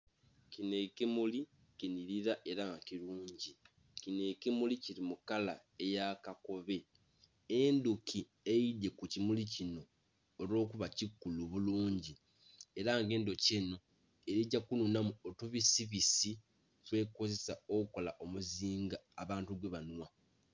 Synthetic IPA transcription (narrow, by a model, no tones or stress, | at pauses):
cine̞kimuli | kiniɾiɾaʔe̞ɾaŋɡakiɾuːɲɟi | cine̞kemuliciɾimukala | ejakako̞βe̞ | endukʰi | ejidːe̞kucimulicino̞ː | lo̞ːkuβacikːuluβuluːɲɟi | e̞ɾaŋɡe̞ːndo̞ceno̞ | e̞ɾiɟːakununamuotuβisiβisi | kwe̞ko̞ze̞sao̞kuko̞laʔo̞muziːŋɡaːβaːntuɡwe̞βanwa